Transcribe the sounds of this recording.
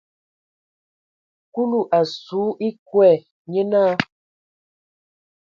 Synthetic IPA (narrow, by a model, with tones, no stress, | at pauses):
ku˦lu˦˨ʔa˨suː˨˦ʔi˦kwɛ˦˨ | ɲe˦naː˦